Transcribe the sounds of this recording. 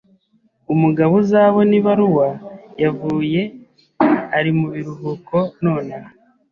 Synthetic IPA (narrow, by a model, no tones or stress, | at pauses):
umuɡaβuzaːβo̞niβaɾuwajavuːje̞ | aɾimuβiɾuɦuko̞noːnaa